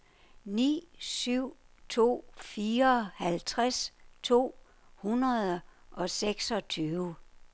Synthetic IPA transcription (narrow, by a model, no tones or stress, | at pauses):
nḭːsyʊ̰ | t͡sʰo̝̰ːfiːɐɒhælt͡sʰʁast͡sʰo̝̰ː | hunɐðˠʔɒ̽seɡ̥sɒ̽t͡sʰyːʊ